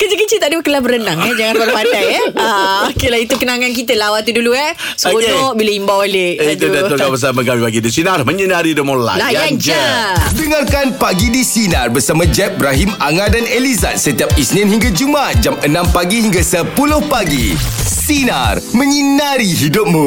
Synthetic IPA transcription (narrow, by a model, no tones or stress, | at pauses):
kəd͡ʒəkət͡ʃit̪aʔdəəkəlabəɾənaŋɛd͡ʒaŋãnpaɾpadajaokelait̪ukənaŋank̬it̪əlawat̪ːuduluɛ | soɔʔbiləimbawaleat̪udat̪oabəs̬aməɡawipaɡidisinarməɲənaɾidəmola̰lajjand͡ʒədəŋarkanpaɡidisinarbərsamãd͡ʒɛp̚bɾaɦimaŋadaneliza̰t̪̚sət̪iap̚isnɪ̃nhiŋɡad͡ʒumat̪̚d͡ʒamənãmpaɡihiŋɡasəpulʊhpaɡḭsina̰rmə̃ɲənaɾiɦidʊp̚mũ